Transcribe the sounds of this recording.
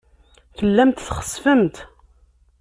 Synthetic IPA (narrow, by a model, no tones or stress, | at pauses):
θəlːæmt̪θχə̥sfəmt̪